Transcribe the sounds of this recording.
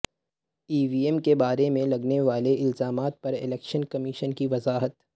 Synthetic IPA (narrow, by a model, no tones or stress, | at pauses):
iːʋiːɛmkebaːɾemẽlɐɡneʋaːleɪlzaːmaːt̪̚pɐɾɪ̰lɛːkʃənkɐmɪʃənkiʋɐzaːɦət̪